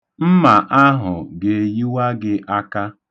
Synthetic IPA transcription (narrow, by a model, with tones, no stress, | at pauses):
m̩˦ma˨ʔa˦ɦʊ̰˨ɡe˨ji˦wa˦ɡɪ˦ʔa˦ka˦